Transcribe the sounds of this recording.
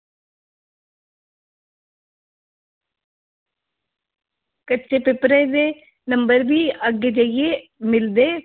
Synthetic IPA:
kɐt͡ʃːepepːɾɐd̪e | nɐmbɐɾʋiɐɡɪd͡ʒɐjemɪld̪e

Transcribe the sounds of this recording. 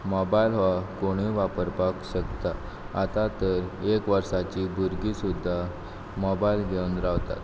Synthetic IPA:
mɔbailʋakoɽ̃iʋapəɾpakɕəkt̪a | at̪at̪əɾekʋəɾsat͡ɕiːbʱuɾɡisud̪ʱːa | mɔbailɡeunɾaʋt̪a̰t̪

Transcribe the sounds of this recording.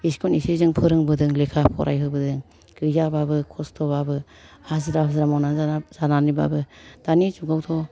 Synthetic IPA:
iskʰɔnisizɯŋpʰɯɾɯŋbɯdɯŋlekʰapʰɔ̰ɾʔa̰jɦɯbɯdɯŋ | ɡ̥ɯzababɯkʰɔstʰɔbabɯ | azɯɾazɯɾamɔnazz̥ananiba̰bɯd̥anizuɡawtʰɔ

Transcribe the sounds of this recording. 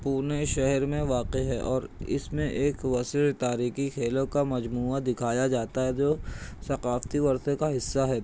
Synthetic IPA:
puːneʃɛɦɛɾmẽʋaːqeɦɛʔɔːɾɪ̰smẽʔeːkʋɐsɾt̪aːɾiːkikʰeːlõkamɐd͡ʒmuːad̪ɪkʰaːjad͡ʒaːt̪aɦɛd͡ʒoːsɐqaːft̪iʋɐɾt̪ekaɦɪsːaɦɛ

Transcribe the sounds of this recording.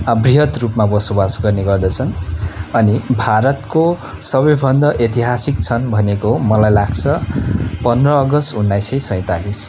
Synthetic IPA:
briɦʌt̪rupmabʌsobasɡʌrneɡʌrd̪ʌt͡sʰʌnʌnibʱaɾʌt̪ko | sʌbʌjbʱʌnd̪ʌʔet̪iɦasikt͡sʰʌnbʱʌnekomʌlajlaɡt͡sʰʌpʌnd̪rʌːɡʌst̪unːajsʌjsʌj̃t̪alis

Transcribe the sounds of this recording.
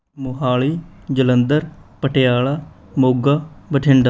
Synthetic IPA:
mʊɦaːɭiːd͡ʒələnd̪əɾpəʈejaːɭaː | moːɡaːbəʈʰɪɳɖa

